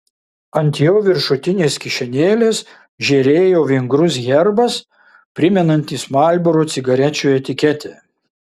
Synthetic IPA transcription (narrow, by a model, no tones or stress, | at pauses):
ɐnʲt̪ʲjoːʋʲɪɾʃʊt̪ʲɪnʲeːskʲɪʃʲɛnʲeːlʲeːs | ʒʲɛɾʲeːjoːʋʲɪŋɡɾʊs̬ɣʲɛɾbɐs | pʲɾʲɪmʲɛnɐnʲt̪ʲiːsmɑˑlʲˑboɾoːt̪sʲɪɡɐɾʲɛt͡ʃʲoːɛt̪ʲɪkʲɛt̪ʲɛː